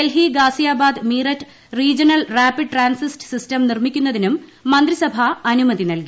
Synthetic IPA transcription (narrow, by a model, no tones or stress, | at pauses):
elɦiɡaːsijaːbaːd̪miːrɐtː | riːd͡ʑɐnɐlraːpiɖʈraːnsistɨ̥sistɐmnirmikʲːunːɐðinumːɐnd̪risɐbʱaɐnumɐðinɐlki